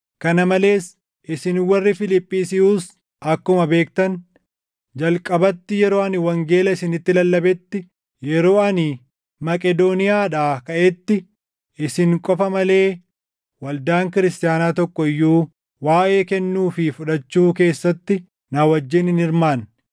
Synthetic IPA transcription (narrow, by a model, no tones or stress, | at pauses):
kɐnɐmɐle̞ːs | ʔɪsɪnwɐrːɪfɪlɪpʼːiːsɪuːs | ʔɐkːʊmɐbe̞ːk̚t̪ɐn | d͡ʒɐlkʼɐbɐt̪ːɪjɛɾo̞ːɐnɪwɐŋɡe̞ːlɐɪsɪnɪt̪ːɪlɐlːɐbɛt̪ːɪ | jɛɾo̞ːɐnɪ | mɐkʼɛd̪o̞ːnɪjaːᶑaːkɐʔɛt̪ːɪ | ɪsɪŋkʼɔfɐmɐle̞ː | wɐld̪aːŋkɪɾɪst̪ɪjaːnaːt̪ɔkːɔɪjːuː | waːʔe̞ːkɛnːuːfɪfʊᶑɐt͡ʃːuːke̞ːsːɐt̪ːɪ | naːwɐd͡ʒːɪnɪnɪɾmaːn